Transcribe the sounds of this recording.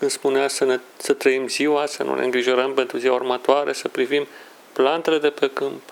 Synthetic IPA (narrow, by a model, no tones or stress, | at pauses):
kɨnd̪spuneasəne | sət̪ɾəimziwasənṵnḛɨŋɡɾiʒo̞ɾəmpent̪ɾuziwaurmat̪oaɾesəpɾivim | plant̪ele̞d̪e̞pekɨmp